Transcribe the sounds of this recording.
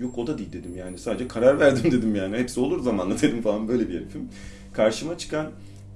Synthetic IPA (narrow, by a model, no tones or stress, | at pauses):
jo̞ko̞d̪ad̪iːlʲd̪e̞d̪imjaːnisaːd̪ed͡ʒɛkʰaɾaɾvæɾd̪imd̪e̞d̪imjaːnihepsio̞lˠuɾzamanˠat̪ʰeɾʲɯmfalˠanbø̞jlʲebiefʰim | kʰaɾʃɯmat͡ʃʰɯ̥kʰan